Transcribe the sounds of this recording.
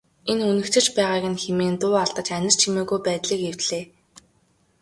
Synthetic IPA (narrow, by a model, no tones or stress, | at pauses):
enɵnɘ̆kt̪ʰɘ̆t͡ɕpæːʁaːɣɘ̆nxemeːnt̪ʊːaɮt̪ə̆t͡ɕænʲɪ̆r̥t͡ɕʰimeːɣujpæːt̪ɮiːkew̥t̪ɮeː